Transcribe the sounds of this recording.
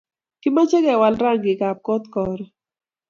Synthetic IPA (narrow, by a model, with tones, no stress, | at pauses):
ki˦ma˦t͡ʃɛ˦kɛ˨wa˧lɾa˦˨ŋɡi˨ka˨p̚kɔ˦t̪kɔ˨ɾ